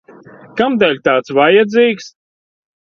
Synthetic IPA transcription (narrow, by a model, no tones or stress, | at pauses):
kamd̪ɛlʲt̪aːt̪svajad̪ziːks